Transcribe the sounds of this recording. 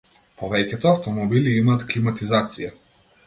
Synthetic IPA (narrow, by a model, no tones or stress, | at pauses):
pɔvɛcʲɛt̪ɔaft̪ɔmɔbiliimaːt̪klimat̪izat̪sija